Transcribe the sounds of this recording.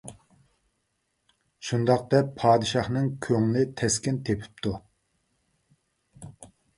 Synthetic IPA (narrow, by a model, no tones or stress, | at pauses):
ʃund̪ɑq̚d̪ɛpʰːɑːd̪ɨʃɑχnɨŋkʲʰøŋlɪt̪ʰɛskʲɛnt̪ʰepʰy̥p̚t̪ʰu